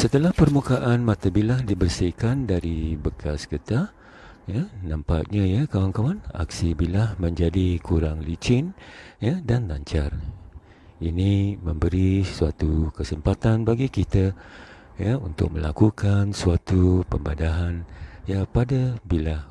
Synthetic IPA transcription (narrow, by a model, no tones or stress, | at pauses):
sət̪əlahpərmukaʔanmãt̪abilahdibərsihkandaɾibəkʰaskət̪a | janãmpaʔɲajakawaŋkawana̰k̚sibilahmə̃ɲd͡ʒadikuɾaŋlit͡ʃɪnjadanlaɲt͡ʃar | inimə̃mbəɾisuat̪ukəsəmpat̪anbaɡikit̪a | jaunt̪ʊ̰k̚məla̰kukansuat̪upəmbadaɦanjapadabilah